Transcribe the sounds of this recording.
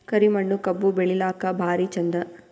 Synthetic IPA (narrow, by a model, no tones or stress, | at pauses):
kɐɾimɐɳːukɐbːubeɭilaːkɐbʱaːɾit͡ʃɐnd̪ɐ